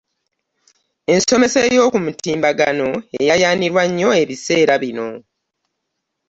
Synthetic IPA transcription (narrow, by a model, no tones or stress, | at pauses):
e̞nso̞me̞sejo̞ːkumutʰiːmbaɡano̞ejajaːniɾwaɲːo̞e̞βise̞ːɾaβino̞